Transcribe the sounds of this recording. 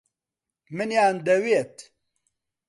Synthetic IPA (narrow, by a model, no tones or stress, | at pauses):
mɨnjaːnd̪ɐwiet̪